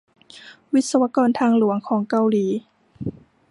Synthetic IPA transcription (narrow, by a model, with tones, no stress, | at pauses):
wi˦˥t̪̚sa˧wa˧kɔː˧˩nt̪ʰaː˧ŋlu˨˩˦əŋkʰɔː˩˦ŋka˧˨wliː˨˩˦